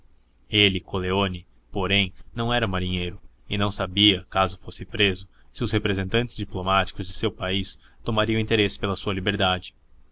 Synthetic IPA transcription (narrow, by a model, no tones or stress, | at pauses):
elɪkʰoleonɪ | poɾẽj̃nɐ̃w̃ɛɾɐmaɾĩɲejɾʊɪnɐ̃w̃sabiɐkazʊfosɪpɾezʊ | sɪʊshepɾezẽnt̪ɐ̃nt͡ʃ̪ɪzd͡ʒiplomat͡ʃi̥kʊzd͡ʒɪsewpaist̪omaɾiɐ̃ĩt̪eɾesɪ̥pelɐsuɐlibeɾd̪ad͡ʒɪ̥